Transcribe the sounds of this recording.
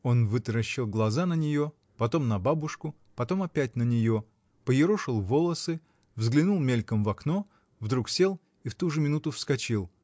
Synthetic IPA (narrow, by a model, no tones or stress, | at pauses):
o̞nvɨt̪ɾɐɕːɪlˠɡlˠɐzanənʲɪjo̞ | pɐt̪o̞mnɐbabʊʂkʊ | pɐt̪o̞mɐpʲæt̚ʲnənʲɪjo̞ | pəjɪɾoʂɨlˠvolˠəsɨ | vzɡlʲɪnulˠmʲelʲkəmvɐkno̞ | vd̪ɾuksʲe̞lˠ | ift̪uʐɨmʲɪnut̪ʊfskɐt͡ɕilˠ